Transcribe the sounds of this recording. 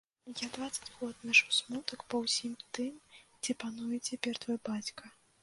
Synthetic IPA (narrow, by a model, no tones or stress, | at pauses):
jad̪vat̪sɐ̥d͡zʲɣɔd̪naʂɨsmut̪ɐkpɐwsʲimt̪ɨmd͡zʲɛpanujɛt͡sʲɛpʲɛrt̪vɔjbat͡sʲkɐ